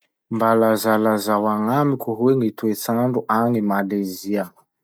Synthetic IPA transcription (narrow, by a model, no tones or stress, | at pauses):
mbalazalazawaŋamikʲuɦweŋit̪uet͡saɳɖ͡ʐuʔaŋimaleziə